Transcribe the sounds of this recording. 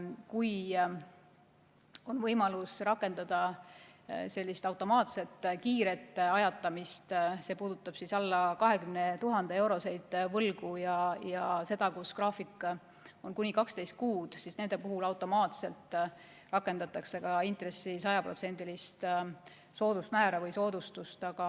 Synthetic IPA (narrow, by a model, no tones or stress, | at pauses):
kuj | o̞nvɤ̞jmɑlusrɑkˑːe̞nd̪ɑd̪̥ɑ | se̞lʲːist̪ɑwt̪ːˑo̞mɑːt̪se̞t̪ːˑkiːɾe̞t̪ːˑɑjɑt̪ːˑɑmist̪se̞ːpuːd̪̥ut̪ːˑɑb̥sisɑlːɑkɑɦe̞kymnet̪uɦɑnd̪eewɾo̞se̞jd̪̥vɤlɡujɑjɑse̞d̪̥ɑkuskrɑːfikˑ | o̞nkunʲikɑkst̪e̞jst̪̚kuːd̪̥sisne̞nd̪e̞puɦulɑwt̪ːˑo̞mɑːt̪se̞lt̪ | rɑkːˑe̞nd̪ɑt̪ːˑɑkse̞kɑint̪re̞sːisɑjɑpro̞t̪send̪ilist̪ | so̞ːd̪̥ust̪mæːɾɑvɤjso̞ːd̪̥ust̪ust̪ɑɡ̥ɑ